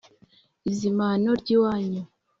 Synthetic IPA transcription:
izimanoɾɟiwaːɲu

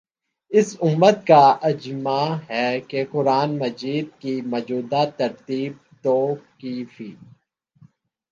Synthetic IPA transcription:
ɪsʊmːət̪kaʔɐd͡ʒmaɦɛːkekʊɾaːnmɐd͡ʒiːd̪̚kimɐd͡ʒuːd̪at̪ɐɾt̪iːb̚t̪oːkifiː

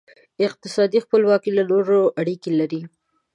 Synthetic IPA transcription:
ɪq̚t̪ɪsɑd̪ixpəlwɑkilanoɾoʔaɽikelaɾi

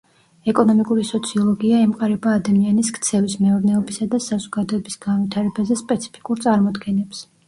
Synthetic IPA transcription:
ɛkʼɔnɔmikʼuɾisɔt̪sʰiɔlˠɔɡiaɛmqʼaɾɛbaːd̪amianiskʰt̪sʰɛvismɛɔɾnɛɔbisad̪asazɔɡad̪ɔɛbisɡ̥anvit̪ʰaɾɛbazɛspʼɛt̪sʰi̥pʰi̥kʼuɾt̪sʼaɾmɔd̪ɡɛnɛps

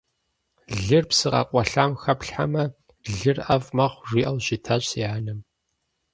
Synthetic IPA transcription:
ɮɨrpsɨqɐ̰qʷʼɔɬaːmxɐpɬħa̰mɐ | ɮɨrʔɐvmɐχʷʒʷiːʔɐwʒɪtʰaɕiaːnɨm

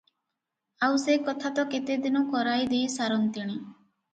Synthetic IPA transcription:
awsekɔt̪ʰat̪ɔket̪ed̪inɔkɔɾajd̪ejsaɾɔnt̪iɽ̃i

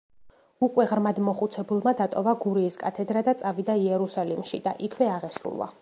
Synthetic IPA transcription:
ukʼwɛʁɾmad̪mɔχut̪sʰɛbulˠmad̪at̪ʼɔvaɡuɾiːskʼat̪ʰɛd̪ɾad̪at̪sʼavid̪aiɛɾusalimʃḭd̪aʔikʰvɛaʁɛsɾṵlˠa̰

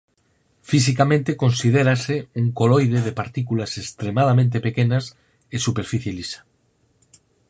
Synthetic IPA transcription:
fisikamẽnt̪eko̞nsið̞eɾaseuŋkolojðeðepaɾt̪ikulasest̪ɾemað̞amẽnt̪̬epekenas | esupeɾfiθjelisḁ

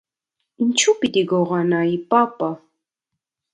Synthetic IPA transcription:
ɪnt͡ʃupɪt̪ɪɡoʁɑnajpapa

